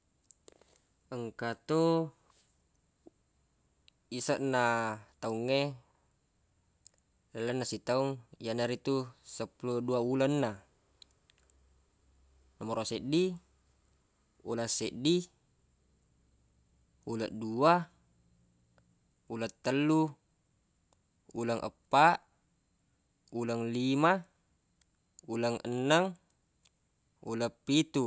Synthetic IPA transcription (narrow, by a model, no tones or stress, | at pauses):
əŋkat̪o | isaʔnat̪auŋːe | lalːanːasit̪auŋjanaɾit̪usapuloduaulanːa | namoɾaseʔdi | ulasɛʔdi | uləʔdua | ulət̪ːəlːu | uləŋʔə̰pːaʔ | uləŋlima | uləŋə̰nːəŋ | uləpːit̪u